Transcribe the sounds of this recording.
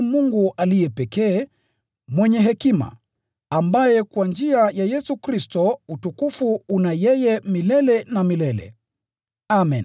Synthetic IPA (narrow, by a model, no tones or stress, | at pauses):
muŋɡuʔalijɛpɛkɛː | mwɛɲɛɦɛkima̰ | ambajɛkwand͡ʒiajajɛsukɾistɔutukufuunajɛjɛmilɛlɛnamilɛlɛ̰ | amɛn